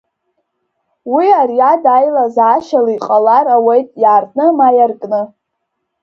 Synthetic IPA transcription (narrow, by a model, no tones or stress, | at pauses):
wiarjadajlazaːʃalaiqʼalaɾawejtʼjaːrnɨmajarkʼnɨ